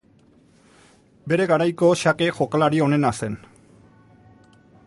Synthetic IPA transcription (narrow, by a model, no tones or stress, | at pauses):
be̞ɾe̞ɣaɾajkoʃakexo̞kalaɾio̞ne̞nase̞n